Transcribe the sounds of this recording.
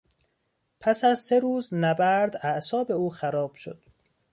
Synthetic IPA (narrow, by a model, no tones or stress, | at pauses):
pʰæsæzse̞ɾuːznæbæɾd̪æʔsɒːbe̞uːxæɾɒːb̥ʃo̰d̪̥